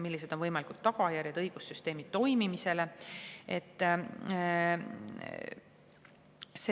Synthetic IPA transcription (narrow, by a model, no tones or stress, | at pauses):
milːise̞d̪̥o̞nvɤjmɑlikult̪ːɑɡ̥ɑjærjɑd̪̥ɤjɡ̥usːyst̪e̞ːmid̪̥t̪ːo̞jmimise̞le̞ʔe̞t̪ː | se